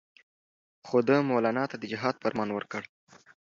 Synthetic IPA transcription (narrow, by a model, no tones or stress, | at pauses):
xod̪əmolɑnɑt̪ad̪əd͡ʒɪɦɑd̪̚pəɾmɑnwəɾkəɽ